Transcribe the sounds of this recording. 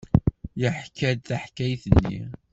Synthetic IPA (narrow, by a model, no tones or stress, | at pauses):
jəħkːæd̪θaħkæjθənːḭ